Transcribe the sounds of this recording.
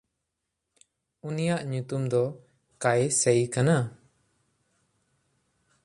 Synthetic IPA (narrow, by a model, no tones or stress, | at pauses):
unijaʔɲut̪umd̪ɔ | kajsɛjkana